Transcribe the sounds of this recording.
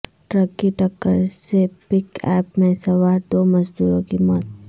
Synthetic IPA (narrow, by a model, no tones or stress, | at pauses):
ʈɾəkːiʈɐkːəɾsepɪkɛːpmẽsɐʋaːɾd̪oːmɐzd̪uːɾõkimɔːt̪̚